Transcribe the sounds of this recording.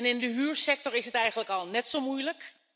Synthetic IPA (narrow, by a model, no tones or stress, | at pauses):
nɪndəɦyːɹsɛk̚tɔrɪsɦətɛjɣəntləkɔlˠnɛtsomujlək